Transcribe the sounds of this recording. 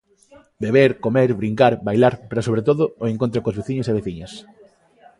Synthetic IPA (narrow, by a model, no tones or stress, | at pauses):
beβeɾkomeɾβɾiŋkaɾbajlaɾpɾasoβɾet̪̬oðʊoeŋkont̪ɾokozβeθiɲoseβeθiɲɐs